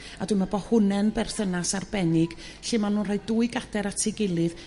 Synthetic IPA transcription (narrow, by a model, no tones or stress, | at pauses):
adwɨmabɔhʊnɛnbɛrθənasarbɛnɪɡ̥ | ɬɨːmanuːnrajduːɨɡadɛɾatʰɪɡɪlˠɨð